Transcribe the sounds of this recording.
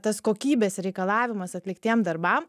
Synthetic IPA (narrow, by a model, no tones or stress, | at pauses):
t̪ɐskoːkʲiːbʲeːsɾʲɛɪkɐlˠɑːʋʲɪmɐsɐt̪ʲlʲɪkt̪ʲeːmd̪ɐɾbɐm